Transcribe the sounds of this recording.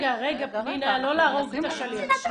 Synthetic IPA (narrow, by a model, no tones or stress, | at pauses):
ɡaʁeɡapninalo̞laːʁoɡt̪aʃali